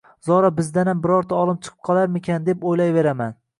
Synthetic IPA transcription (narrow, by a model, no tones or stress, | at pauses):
zɒɾɒbɪzd̪anambɪɾɒɾt̪ʰaɒlˠɪp̚t͡ʃʰɨ̥qʰɨ̥p̚qʰɒlˠaɾmɪkʲʰand̪e̞pojlajve̞ɾaman